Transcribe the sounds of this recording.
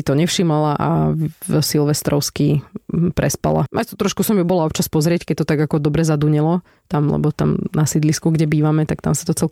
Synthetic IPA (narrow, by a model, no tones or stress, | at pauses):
it̪ɔɲɛfʃiːmalaʔa̰ | silʋɛst̪ɾɔʊskipɾʔɛspa̰la̰mʔajst̪ɔt̪ɾɔʃkusɔmjubɔlaɔp̚t͡ʃaspɔzɾɪɛckɛc̚t̪ɔt̪aɡakɔd̪ɔbɾɛzad̪uɲɛlɔ | t̪amlɛ̰bɔt̪amnasid̪liskuɡɟɛbiːʋamɛt̪ak̚t̪a̰msat̪ɔt͡sɛl